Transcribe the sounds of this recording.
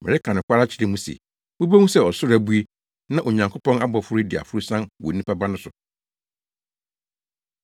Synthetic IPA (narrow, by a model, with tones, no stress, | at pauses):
mɪ̰̃˨ɾɪ˦kʰã˨nɪ̃˨kʷʰa˦ɾa˦t͡ɕʰɪ˨ɾɪ˦mũ˦sḛ˨ | mũ˦bæ˦mũ˦sɛ˦ɔ˨sʊ˦ɾæ˨bu˦e˦ | nã˦ʔo˨ɲã˨ŋkʰo˦pʰɔ̃˦na˦bɔ˨fʊ˦ɾʊ˦dɪ˨a̰˨fʊ˦ɾu˦sã˦nwɔ̰˨˦nĩ˦pʰa˦ba˦nʊ̃˦sʊ˨